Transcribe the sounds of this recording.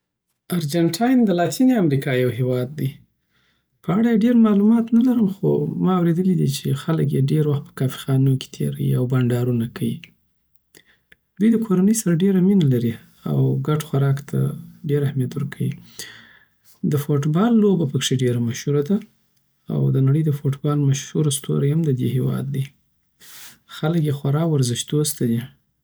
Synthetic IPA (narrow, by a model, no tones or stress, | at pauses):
aɾd͡ʒaɳʈʰɑjnd̪əlɑt̪ʰiniamɾikɑjawɦewɑd̪ːi | pəaɽajeɖeɾmɑlumɑt̪nalaɾəmxo̰mɑawɾed̪əlid̪it͡ʃexalək̬jeɖeɾwaxt̪̚pə̥kɑfi̥xɑnoke̥t̪ʰḛɾa̰jḭawbaɳɖɑɾunakʰawi | d̪̥ujd̪əkʰoɾanəjsaɾaɖeɾaminalaɾi | a̰wɡaʈxaɾɑkt̪ʰa̰ɖeɾahmjat̪wəɾkʰawḭ | d̪əfoʈbɑlːobapəkʂeɖeɾamaʃhuɾad̪a | a̰wd̪ənaɽəjd̪əfoʈbɑlmaʃhuɾast̪o̰ɾaamd̪əd̪ehewɑ̰d̪ːe | xaləkjexwaɾɑkwaɾzɪʃd̪ost̪ad̪i